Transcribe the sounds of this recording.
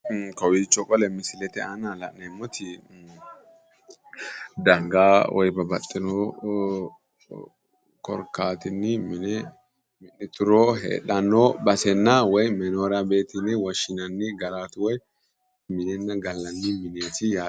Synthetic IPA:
kɐwit͡ʃːɔkʼɔlɛmɪsɪlɛt̪ɛanɐlɐ̰ʔnɛmːɔt̪ɪ | d̪ɐŋɡaːwʔɔ̰jbɐbɐt̪ʼːɪnɔ | kɔ̰ɾkːaːt̪ɪnːɪmɪnɛ | mɪnːɪt̪ʊɾoːɦḛːᶑɐnːobɐsɛnːawɔjmɛnoːɾɐbe̞ːt̪ɪnːɪwɐʃɪnɐnːɪɡɐɾaːt̪ʊwɔj | mɪnɛnːɐɡɐlːɐnːɪmɪneːt̪ɪja

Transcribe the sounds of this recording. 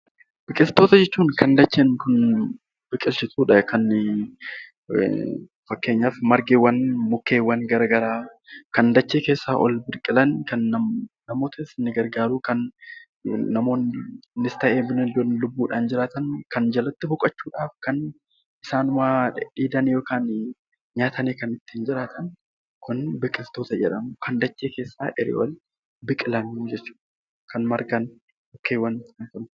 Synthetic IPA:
b̥ɪkʼɪlt̪ːoːt̪ɐd͡ʒɛt͡ʃːuːŋkʰɐnd̪ɐt͡ʃːeːnkʊn | b̥ɪkʼːɪlsɪt̪uːᶑɐkɐnː | fɐkːe̞ːɲːaːfmɐɾɡeːwɐnmʊkːe̞ːwɐnɡɐɾɐɡɐɾaː | kɐnd̪ɐt͡ʃːeːke̞ːsːaːʔɔ̰lbɪɾkʼɪlɐnkɐnːɐnɐmo̞ːt̪ɐɪsnɪɡɐɾɡaːɾuːkɐnː | ɐmoːnnɪst̪ɐʔeːmɪnɪnd̪onlʊbːuːᶑaːnd͡ʒɪɾaːt̪ɐnkɐnd͡ʒɐlɐt̪ːɪbʊkʼɐt͡ʃːuːᶑaːfkɐn | ʔɪsaːnʊmaᶑiːd̪ɐnjo̞ːkaːn | ɲaːt̪ʰɐneːkɐnɪt̪ːɪ̥hɪnd͡ʒɪɾaːt̪ʰɐn | kʊnbɪkʼːɪft̪o̞ːt̪ɐd͡ʒɛᶑɐmʊkʰɐnd̪ɐt͡ʃʼːeːke̞ːsːa̰ːʔɛɾɪ̰wʔɔ̰l | bɪkʼɪlɐnud͡ʒɛt͡ʃːu̥ːᶑ | kɐnmɐɾɡɐn | jokːeːwɐnkɐnkɐnʊ

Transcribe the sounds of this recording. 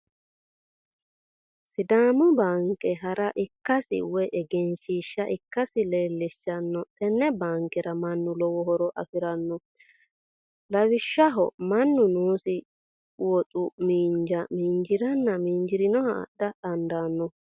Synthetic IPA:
sɪd̪aːmʊbaːŋkʼːɛɦɐɾɐʔɪkːɐsɪ̰wɔʔɛɡɛnʃiʃːɐʔɪkːɐsɪleːlːɪʃːɐnːɔt̪ʼɛnːɛbaːŋkʼɛɾɐmɐnːʊlɔwɔhɔɾɔʔɐ̰fɪɾɐnːɔ | lɐwɪʃːɐɦɔ̰mɐnːʊnuːsɪ | wɔtʼʊmiːnd͡ʒɐmiːnd͡ʒɪɾɐnːɐmiːnd͡ʒɪɾɪnɔhɐ̰ːɗːɐᶑɐnd̪anːɔ

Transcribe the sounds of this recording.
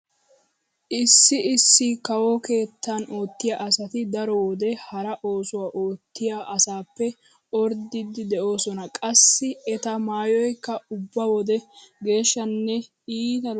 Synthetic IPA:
ʔɪsːɪɪsːɪkɐwɔke̞ːt̪ːɐno̞ːt̪ːɪjaʔɐsɐt̪ɪd̪ɐɾɔwɔd̪ɛhɐɾɐʔo̞ːsʊwaːʔo̞ːt̪ːɪjaʔɐsaːpːɛ | ɔɾd̪ɪd̪ɪd̪ɛʔo̞ːsɔnɐkʼɐsːɪɛt̪ɐmaːjɔjkːɐʊbːɐwɔd̪ɛɡe̞ːʃːɐnːɛ | iːt̪ɐ

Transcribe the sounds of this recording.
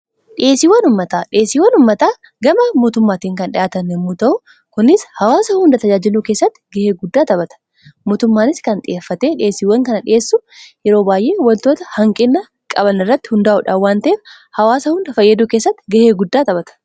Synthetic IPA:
ᶑɪʔeːsiːwːɐnʊmːɐt̪aːᶑɪe̞ːsiːwːɐnʊmːɐt̪aː | ɡɐmɐmoːt̪ʊmːaːt̪iːŋkɐnᶑɪ̰jaːt̪ɐnɛmːuːt̪ɐʔʊ | kʊnɪshɐwaːsɐhʊnd̪ɐt̪ɐd͡ʒaːd͡ʒɪluːkeːsːɐt̪ːɪ̥ɡɐheːɡʊd̪ːaːt̪ɐbɐt̪ɐ̥ | moːt̪ʊmːaːnɪskɐnᶑ̪ʼɪʔeːfːɐt̪e̞ːᶑɪeːsiːwːɐŋkɐnɐᶑɪeːsːʊjɛɾo̞ːbaːjʔe̞ːwɐlt̪oːt̪ɐhɐŋkʼɪnːɐ | kʼɐbɐnɪrːɐt̪ːɪ̥hʊnd̪aːʔʊᶑaːwːaːnt̪ɐeːf | hɐwaːsɐhʊnd̪ɐfɐjːɐd̪uːkeːsːɐt̪ːɪ̥ɡɐheːɡʊd̪ːaːt̪ɐbɐt̪ɐ̥

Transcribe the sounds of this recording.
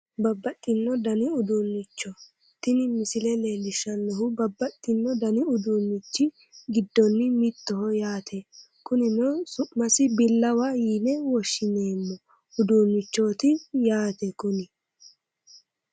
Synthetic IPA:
bɐbːɐt̪ʼːɪnːɔd̪ɐnɪʊd̪umːɪt͡ʃːɔ | t̪ɪnɪmɪsɪlɛleːlɪʃɐnːɔhʊbɐbːɐt̪ʼːɪnːɔd̪ɐnɪʊd̪uːmːɪt͡ʃːɪ | ɡɪd̪ːɔnːɪmɪt̪ːɔɦɔjaːt̪ʰɛ | kʊnɪnɔsʊʔmɐsɪbɪlːɐwɐjiːnɛwɔʃːɪneːmːɔ | ʊd̪uːmɪt͡ʃːoːt̪ɪjaːt̪ɛkʊnɪ

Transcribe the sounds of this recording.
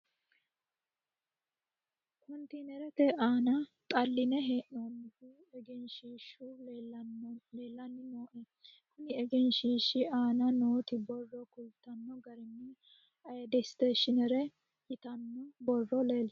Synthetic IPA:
kʰɔnt̪iːnɛɾɛt̪ɛʔaːnɐt̪ʼɐlːɪnɛɦeːʔnoːnːɪfɪ | ɛɡɛnʃiːʃu | leːlːɐnːɪnoːʔɛ | kʊnɪɛɡɛnʃiːʃɪʔaːnɐnoːt̪ɪbɔrːɔkʊlt̪ɐnːɔɡɐɾɪnːɪ | ɐjd̪ɛst̪eːʃɪnɛɾɛ | jɪt̪ɐnːɔbɔrːɔle̞ːl

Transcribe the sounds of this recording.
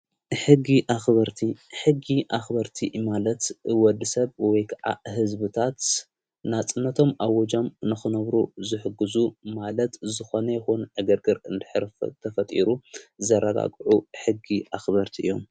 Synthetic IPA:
ħɨɡiʔaxbɐɾt̪ʰiħɨɡiʔaxbɐɾt̪ʰimalɐt̪ɨwɔd̪ɨsɐβwɔjkʰaʕa̰hɦɨzbɨt̪ʰat̪ | nat͡sʼɨnːɐt̪ʰo̞mawɔd͡ʒo̞mnɨxɨnɐβɾuzɨħɨɡɨzumalɐt̪zɨxonɐjɛxunʕɨɡɐɾɡɨɾɨnd̪ɨħɨɾt̪ʰɐfɐt̪ʼiɾuzɐɾɐɡa̰ɡʼʕuħɨɡiʔaxbɐɾt̪ʰiʔɨ̰jːom

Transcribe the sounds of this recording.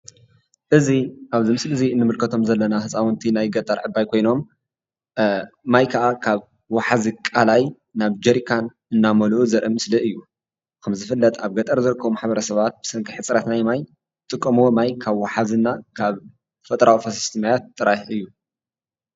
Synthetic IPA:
ʔɨziʔaβzimɨslɨɨziɨnːɨmɨlkʰɐt̪ʰo̞mzɐlːɐnahɨsʼawɨnt̪ʰinajɡɐt̪ʼɐɾʕɨbːajkʰo̞jno̞m | majkʰɐʔakʰaβ | waħazikʼalaj | naβd͡ʒɐɾikʰan | ɨnːamɐluʔuzɐɾʔɨmːɨsliʔɨjːu | kʰɐmzɨfɨlːɐt̪ʼaβɡɐt̪ʼɐɾzɨɾɨkʰːɐβumaħbɐɾɐsɐβat̪̚b̥ɨ̥sɐŋkʰɨħɨt͡sʼɾɐt̪najmaj | ɨt̪ʼɨkʼːɐmuwomajkʰaβwaħazɨnːakʰaβ | fɐt̪ʼɾʔawfɐsi̥st̪ʰimajat̪ʼːɨɾajħɨjːu

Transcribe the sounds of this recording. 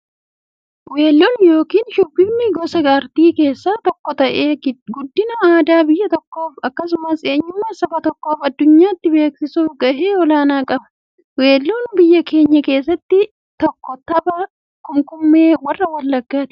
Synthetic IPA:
we̞ːlːoːnjo̞ːkiːnʃʊbːɪbnɪɡɔsɐɡaːɾt̪iːke̞ːsːaːt̪ɔkːɔt̪ɐʔeːɡʊd̪ːɪnɐaːd̪aːbɪjːɐt̪ɔkːo̞ːfɐkːɐsʊmɐse̞ːɲːʊmːɐsɐbɐt̪ɔkːo̞ːfɐd̪ːʊɲːaːɪt̪ːɪbe̞ːksɪsuːfɡɐʔeːɔlaːnaːkʼɐbɐ̥ | we̞ːlːoːnbɪjːɐkʰe̞ːɲːɐke̞ːsːɐt̪ːɪ | t̪ɔkːɔt̪ɐbɐ | kʊŋkʊmːe̞ːwɐrːɐwɐlːɐɡːaːt̪ɪ̥

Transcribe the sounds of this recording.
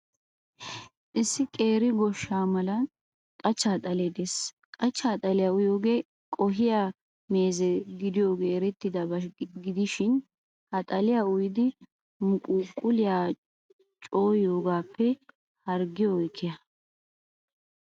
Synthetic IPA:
ʔɪsːɪkʼe̞ːɾɪɡɔʃːaːmɐlɐn | kʼɐt͡ʃːaːt̪ʼɐled̪eːs | kʼɐt͡ʃːaːt̪ʼɐlɪjaʊjoːɡeː | kʼɔɦɪja | me̞ːzɛɡɪd̪ɪjo̞ːɡeːɾɛt̪ːɪd̪ɐbɐɡɪd̪ɪʃɪn | hɐt̪ʼɐlɪjaʊjɪd̪ɪ | mʊkʼuːkʼːʊlɪjaː | t͡ʃʼo̞ːjo̞ːɡaːpːɛ | hɐɾɡɪjojkʰːɪjɐ

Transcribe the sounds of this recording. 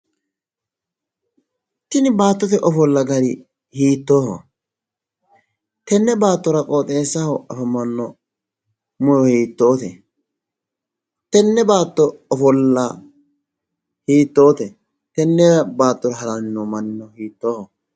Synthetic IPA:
t̪ːɪnɪbaːt̪ːɔt̪ɛʔɔfɔlːɐɡɐɾɪ | hiːt̪ːoːhɔ̰ | t̪ɛnːɛbaːt̪ːɔɾɐkʼoːt̪ʼeːsːɐhɐfɐmɐnːɔ | mʊjɔhiːt̪ːo̞ːt̪ɛ | t̪ɛnːɛbaːt̪ːɔɔfɔlːɐ | hiːt̪ːo̞ːt̪ɛ | t̪ɛnːɛbaːt̪ːɔɾɐɦɐɾɐnɪnɔmɐnːɪnːɔhiːt̪ːoːhɔ

